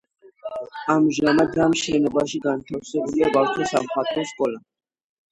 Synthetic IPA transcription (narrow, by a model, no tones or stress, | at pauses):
amʒamad̪ɾamʃɛnɔbaʃiɡant̪ʰafsɛbuliabaɾt̪ʰɔsamχat̪ʼɔskʼɔla